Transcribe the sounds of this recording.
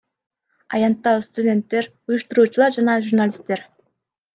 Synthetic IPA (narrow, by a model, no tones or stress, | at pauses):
ɑ̰jɑnt̪ːɑst̪udʲe̞nt̪ːeɾujuʃt̪uɾuːt͡ʃulˠɑɾd͡ʒɑnɑʒurnalʲist̪ːe̞ɾ